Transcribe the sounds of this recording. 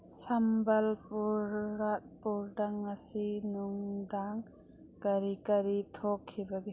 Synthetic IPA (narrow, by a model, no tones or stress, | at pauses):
sambɐlpuɾːat̚puɾdaŋasinuŋdaŋ | kɐɾikɐɾitʰokʰːibaɡe